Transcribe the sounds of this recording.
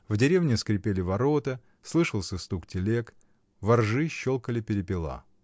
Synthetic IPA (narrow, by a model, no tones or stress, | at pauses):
vdʲɪɾʲevnʲɪskɾʲɪpʲelʲɪvɐɾot̪ə | slˠɨʂəlˠsʲəst̪uktʲɪlʲek | vɐrʐɨɕːolˠkəlʲɪpʲɪɾʲɪpʲɪlˠa̰